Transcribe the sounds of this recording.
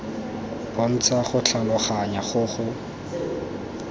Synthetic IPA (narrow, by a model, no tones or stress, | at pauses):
b̥on̩t͡saχʊt͡ɬalʊχaɲaχʊχʊ